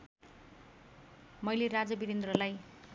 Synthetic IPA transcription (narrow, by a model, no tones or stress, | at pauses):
mʌjlerad͡zʌbiɾend̪rʌlaj